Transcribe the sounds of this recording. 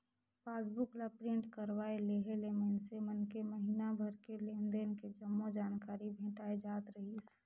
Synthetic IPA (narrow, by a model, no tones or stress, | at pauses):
paːsbʊklapɾɪ̃ɳʈkəɾwaeleɦelemənsemənkeməɦiːnabʱəɾkelẽːnd̪enked͡ʒəmːod͡ʒaːnkaːɾibʱẽːʈaːed͡ʒaːt̪ɾəɦis